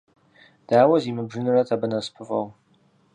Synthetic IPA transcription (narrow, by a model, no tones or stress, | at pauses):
d̥aːwɐziːmɨbʐɨnɨrɐtʰɐbɨnɐspʰɨfʼɐw